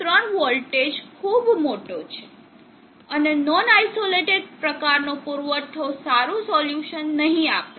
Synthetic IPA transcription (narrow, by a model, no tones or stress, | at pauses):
t̪ɾəɳʋəlʈed͡ʒkʰubmoʈot͡ʃʰe̥ | ənenɔnajsoleʈeɖ̚pɾəkaɾnopuɾʋəʈ̪ʰːosaɾũsɔljuʃənːəɦĩapt̪a